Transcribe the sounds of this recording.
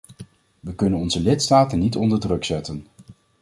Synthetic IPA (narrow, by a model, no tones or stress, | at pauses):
ʋəkɵnənɔnzəlɪtstaːtənːitɔndəɹdrɵksɛtən